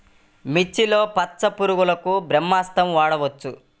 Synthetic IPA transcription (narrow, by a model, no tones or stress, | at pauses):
mit͡ʃːilo̞ːpɐtːsɐpuɾuɡulɐkubɾɐmːaːst̪ɐmʋaːɽɐʋɐt͡ʃːu